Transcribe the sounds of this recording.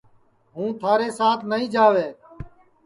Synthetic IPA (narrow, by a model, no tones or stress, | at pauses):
ɦũːt̪ʰaːɾeːsaːt̪ʰnəɦĩːd͡ʒaːʋeː